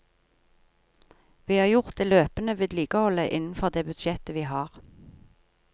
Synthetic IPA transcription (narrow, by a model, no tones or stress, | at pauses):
ʋiːhɑːʁjʊʁt̪̚d̪eːløːpənəʋiːd̪liːɡəhɔləʔɪnn̩fɔʁd̪eːbʉd̪ʃɛt̪əʋiːhɑːʁ